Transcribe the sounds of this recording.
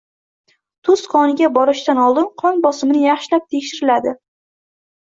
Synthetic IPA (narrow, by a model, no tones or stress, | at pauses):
t̪ʰʊsqʰɒnɪɡʲabɒɾɪʃt̪anɒlˠd̪ɪnqʰɒnbɒsɪmɪnɪjɑχʃɪlap̚t̪ʰe̞kʲʃɪɾɪlad̪ɪ